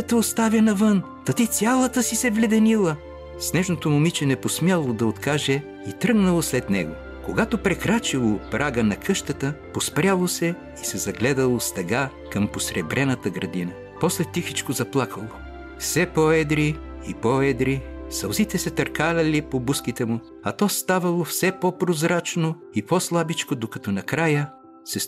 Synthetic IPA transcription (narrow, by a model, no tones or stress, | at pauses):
t̪əost̪avʲjɐnɐvɤn | t̪ɐt̪it̪sʲjalˠət̪əsisɛvlʲɛd̪ɛnilˠə | snɛʒnot̪omʊmit͡ʃɛnɛposmʲjalˠod̪ɐot̪kaʒɛ | it̪ɾɤɡnɐlˠoslɛt̪nɛɡo | koɡat̪opɾɛkɾat͡ʃilˠopɾʔaɡənɐkʰɤʃt̪ət̪əpospɾʲalˠosɛ | isɛzɐɡlɛd̪əlˠost̪ɛɡa | kɐmposɾɛbɾɛnɐt̪əɡɾɐd̪inə | pɔslɛt̪ixit͡ʃkozɐplˠakʰəlˠo | fsɛpɔɛd̪ɾi | ipɔɛd̪ɾisɐlˠzit̪ɛsɛt̪ɐɾkalʲɐlipobuskit̪ɛmʊ | ɐt̪ɔst̪avɐlˠofsɛpɔpɾozɾat͡ʃno | ipɔslˠabit͡ʃkod̪okɐt̪ɔnɐkɾajə | sɛs